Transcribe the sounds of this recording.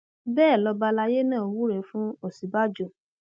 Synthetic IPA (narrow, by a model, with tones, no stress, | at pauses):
bɛː˦˨lɔ˧ba˧la˧je˦nãː˦˨wu˦ɾe˨˦fũ˦o˨si˨˦ba˦d͡ʒo˦˨